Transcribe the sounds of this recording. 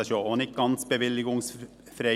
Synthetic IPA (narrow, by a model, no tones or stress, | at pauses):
ɑʃoonɪk̚ɡɑnsbəʋɪlɪɡʊŋs | fɾe